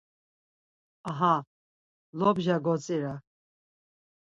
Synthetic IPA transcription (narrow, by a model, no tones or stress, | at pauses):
aɦa | lɔbʒaɡɔt͡sʼiɾa